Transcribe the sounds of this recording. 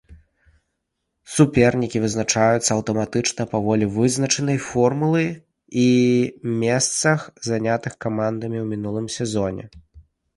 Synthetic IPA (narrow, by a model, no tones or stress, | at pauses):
supʲɛrnʲikʲivɨznat͡ʂajut̪sːɐɐwt̪ɐmat̪ɨt͡ʂnɐpavɔlʲivɨznɐt͡ʂɨnɐjfɔrmulˠɨj | imʲɛst̪sɐxzanʲat̪ɨxkamand̪ɐmʲiwmʲinulˠɨmsʲɛzɔnʲɛ̰